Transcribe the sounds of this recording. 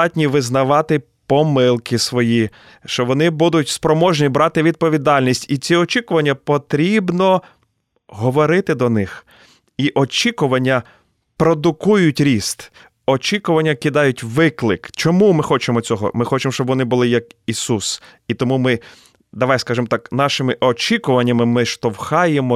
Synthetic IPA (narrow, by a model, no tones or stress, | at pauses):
ɑtʲnʲiʋɪznɐʋɑt̪ɪ | pɔmɪlˠkɪsʋɔji | ʃt͡ʃɔʋɔnɪbud̪ʊtʲspɾɔmɔʒnʲibɾɑt̪ɪʋʲid̪̚pɔʋʲid̪ɑlʲnʲisʲtʲit͡sʲiɔt͡ʃikʊʋɐnʲːɐpɔt̪ɾʲibnɔ | ɦɔʋɔɾɪt̪ɪd̪ɔnɪx | iʔɔt͡ʃʲikʊʋɐnʲːɐ | pɾɔd̪ʊkujʊtʲɾʲist̪ | ɔt͡ʃʲikʊʋɐnʲːɐkɪd̪ɑjʊtʲʋɪklˠɪkt͡ʃɔmumɪxɔt͡ʃemɔt͡sʲɔɦɔ̰mɪxɔt͡ʃemɔʃt͡ʃɔbʋɔnɪbʊlˠɪjɐkisusit̪ɔmumɪ | d̪ɐʋɑjskɑʒɪmɔt̪ɑknɑʃɪmɪʔɔt͡ʃʲikʊʋɐnʲːɐmɪmɪʃt̪ɔwxɑjemɔ